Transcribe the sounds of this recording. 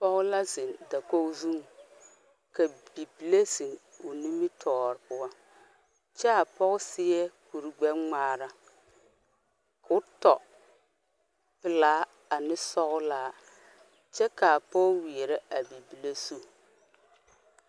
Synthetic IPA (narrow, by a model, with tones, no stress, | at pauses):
pɔ˦ɣʊ˦la˦zɪ˨nda˨ko˦zu˦ŋ˨ | ka˨bi˨bi˨le˦si˨ŋʊ˨ni˦mi˦tʰɔː˨ɾɪ˨pʊ˦wa˦ | t͡ʃɛ˦a˨pɔ˦ɣʊ˦sɪ˦jɛ˦ku˨ɾɡ͡bɛ˦mŋ͡maː˦ɾa˦ | kʊ˦tɔ˨ | pɪ˨laː˦ | a˨nɪ˦sɔ˦ɣʊ˦laː˦ | t͡ʃɛ˦ka˨pɔ˦wi˨e˨ɾɛ˦a˨bi˨bi˨le˦su˦˨